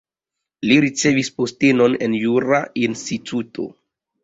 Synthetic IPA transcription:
liɾit͡se̞vispo̞steno̞ne̞̰njuɾainstitʰutʰo̞̰

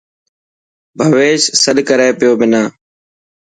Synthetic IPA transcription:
bʱəʋeːʃsəɗkəɾeːpɪjoːbɪnaː

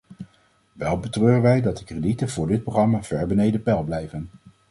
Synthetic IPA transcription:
ʋɛlˠbətrøːrənʋɛjdɑt̚dəkreditənvʊːɹdɪt̚proχrɑmaːv̥ɛɹbənejdəpɛlˠblɛjvən

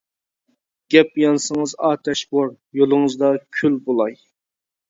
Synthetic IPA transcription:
ɡ̥ʲɛpjɑnsəŋəzɑːt̪ʰɛʃboɾ | jolˠɨŋəzd̪ɑkʲʰylbolˠɑj

